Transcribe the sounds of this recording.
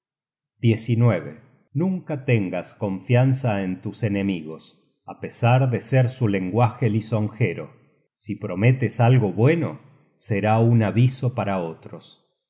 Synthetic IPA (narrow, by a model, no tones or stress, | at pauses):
d̪je̞sinweβḛ | nũŋkat̪eŋɡasko̞ɱfjansaent̪usene̞miɣo̞s | apesaɾðeseɾsule̞ŋɡwaxeliso̞ŋxeɾo̞̰ | sipɾo̞met̪esalɣo̞βwe̞no̞̰ | seɾaunaβiso̞paɾao̞t̪ɾos